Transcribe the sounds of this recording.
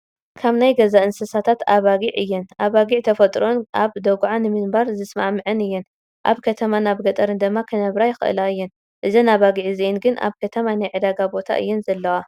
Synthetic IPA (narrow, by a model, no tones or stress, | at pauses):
kʰaβnajɡɐzaʔɨnsɐsat̪ʰat̪aβaɡiʕɨjːɛnʔaβaɡiʕt̪ʰɐfɐt̪ʼɾo̞nʔaβd̪ɐɡʕanɨmɨnbaɾzɨsma̰ʕmɨʕɨnɨjːɛn | ʔa̰βkʰɐt̪ʰɐmanaβɡɐt̪ʼɐɾɨnd̪ɨmːakʰɨnɐβɾajɪxɨ̰ʔɨ̰laɨjːɛn | ʔɨzɐnaβaɡiʕziɛnɡɨnʔa̰βkʰɐt̪ʰɐmanajʕɨd̪aɡabo̞t̪ʰa̰ʔɨ̰jːɛnzɐlːɐwa